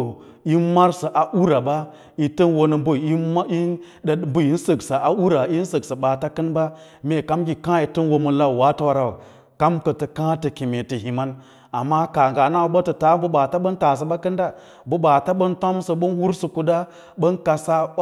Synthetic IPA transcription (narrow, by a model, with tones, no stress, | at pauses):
i˦ma˦ɾsə˨ʔa˨ʔu˦ɾa˨ba˦ | i˨tə˦nwo˨nə˨bu˦˨i˦i˦˨ | bu˦ji˦n˦sə˨ksa˨a˨u˦ɾa˨˦i˦n˦sə˨ksə˨ɓa˨ta˦kə˦nba˦ | me˨ka˦mɡʲi˨kã˦ji˨tə˦nwo˨mə˨la˦˨wa˦ta˦wa˨ɾa˨ | ka˦mkə˨tə˨kã˦tə˨ki˨me˨tə˨hi˨ma˦n | a˨mːa˦ka˨ŋɡa˨na˦wu˨˦ɓə˦tə˨ta˦bə˦ɓa˨ta˦ɓə˦n˦ta˨s̬ə˨ɓa˦kə˦nda˦ | bu˦ɓa˨ta˦ɓə˦nto˦msə˨ɓə˦nwu˦ɾsə˨ku˨da˦ | ɓə˦nka˨sa˦